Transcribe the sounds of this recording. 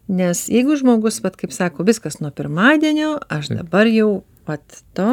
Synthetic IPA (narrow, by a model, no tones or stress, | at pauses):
nʲɛsjɛɪɡʊʒmoːɡʊsʋɐt̪kɐɪpsɑːkoːʋʲɪskɐsnuɔpʲɪɾmɑːd̪ʲiɛnʲoːɐʃd̪ɐ̰bɐrjɛʊ | ʋɐt̪ːoː